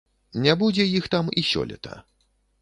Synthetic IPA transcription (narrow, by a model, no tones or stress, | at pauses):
nʲɛbud͡zʲɛjixt̪amisʲɔ̰lʲɛ̰t̪ɐ̰